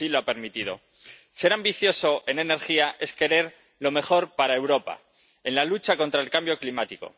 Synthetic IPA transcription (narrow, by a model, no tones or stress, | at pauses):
iloape̞ɾmit̪ið̞o̞̰ | se̞ɾambiθjo̞so̞ʔe̞ne̞ne̞ɾxiaʔe̞ske̞ɾe̞ɾ | lo̞me̞xo̞ɾpaɾae̞wɾo̞pa̰ | e̞nlalut͡ʃako̞nt̪ɾaelkambjo̞klimat̪iko̞̰